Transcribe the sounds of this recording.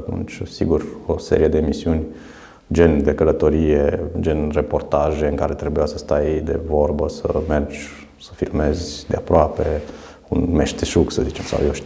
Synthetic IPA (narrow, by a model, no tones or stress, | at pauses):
at̪ṵnt͡ʃʲsḭɡurosḛɾije̞d̪eːmisiunʲ | d͡ʒe̞nd̪e̞kələt̪o̞ɾijed͡ʒenrepo̞rt̪aʒe̞ɨŋkaɾe̞t̪ɾe̞bujasəst̪ajd̪e̞̰vo̞rbəsə̰me̞rd͡ʒʲ | sə̥filme̞zʲd̪eapɾoape̞ | ṵnmeʃt̪eʃuksəzit͡ʃe̞msa̰wjewʃ